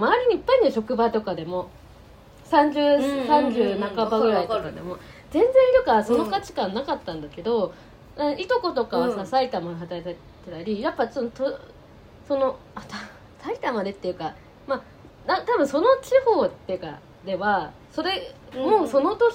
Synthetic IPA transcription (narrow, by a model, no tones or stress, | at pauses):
maːɾʲiɲ̟iːpːaiɲ̟ioɕo̞kɯ̟bat̪o̞kad̪e̞mo̞ | sãɲ̟d͡ʑɨːsãɲ̟d͡ʑɨːnakabaɡɡɯ̟ɾaitd̪emod͡zẽ̞nd͡zẽnt̪okaso̞no̞kat͡ɕi̥kãnːakat̪ːãnd̪ake̞d̪o̞ | ait̪o̞ko̞t̪o̞kaβasasait̪amad̪eɦat̪aet̪a | t̪ːet̪aɾʲijapːasont̪o | so̞noat̪a | sait̪amad̪e̞t̪ːe̞jɯ̟ka | ma | nat̪abɯ̟̃ɰ̃so̞no̞t͡ɕiho̞ːt̪ːe̞jɯ̟ka̰ | d̪e̞βa | so̞ɾe̞ | moːso̞no̞t̪o